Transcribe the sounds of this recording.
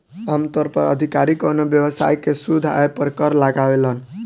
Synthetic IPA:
amt̪ɔɾpə̰ɾə̰d̪ʱikaɾikonobjəwəsa̰jkesud̪ʱa̰epəɾkəɾlaɡaʋelən

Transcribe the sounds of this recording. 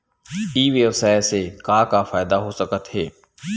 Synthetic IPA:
iːʋeʋsaːeseːkaːkaːfaːɪd̪aːɦoːsəkət̪ɦeː

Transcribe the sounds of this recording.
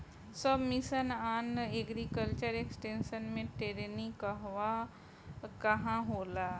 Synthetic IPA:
səbmisənaːneɡɾikəlt͡ʃəɾeksʈẽːnʃənmẽʈeɾenikɐɦʋa | kɐɦãɦoːlaː

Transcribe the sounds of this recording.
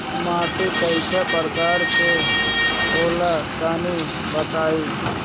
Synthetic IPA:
maːʈipəɪʃapəɾkaːɾse | boːlakaːni | bət̪aːi

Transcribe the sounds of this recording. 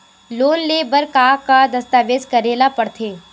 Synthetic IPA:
loːnleːbəɾkakad̪ɐst̪aːʋeːd͡ʒkɐɾeːlapɐɽt̪ʰeː

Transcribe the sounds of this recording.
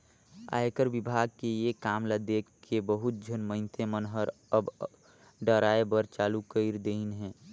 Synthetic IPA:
a̰ːekəɾbɪbʱaɡ̚kejekaːmlad̪ekʰkːʰebəɦʊt̪̚d͡ʒʱənmə̃ɪ̃nt̪ʰemənɦəɾ | əb | ɖəɾaːebəɾt͡ʃaːlukəɪɾd̪einɦɛ̃ː

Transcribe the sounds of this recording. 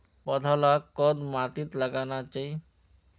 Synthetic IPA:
pəd̪ʱəlakɔd̪maːt̪it̪ləɡanat͡ʃaːi

